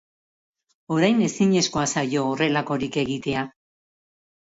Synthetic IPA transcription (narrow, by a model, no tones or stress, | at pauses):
o̞ɾajne̞siɲe̞sko̞asajo̞ːre̞lako̞ɾike̞ɣ̞it̪e̞a